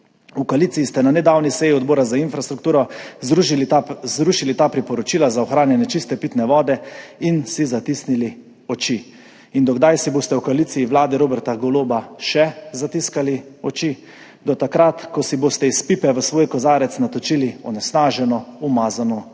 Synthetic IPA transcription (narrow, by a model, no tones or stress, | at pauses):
ukaliːt̪sijist̪ɛnanɛd̪aːwnisɛjiɔd̪̚bɔːɾazainfɾast̪ɾukt̪uːɾɔɾuzɾuʃilit̪aːpɾipɔɾɔt͡ʃiːlazaɔxɾaːnjɛnjɛt͡ʃist̪ɛpiːt̪nɛʋɔːd̪ɛinsizat̪isnili | ɔt͡ʃi | ind̪ɔɡd̪ajsibost̪ɛwkaliːsiiʋlaːd̪ɛɾoːbɛɾt̪aɡɔloːbaʃɛzat̪iskaliɔt͡ʃi | d̪ɔt̪akɾat̪kɔsiboːst̪ɛispiːpɛʋəsʋoːjkɔzaːɾɛt̪snat̪ɔt͡ʃiliɔnɛsnaːʒɛnɔumaːzanɔ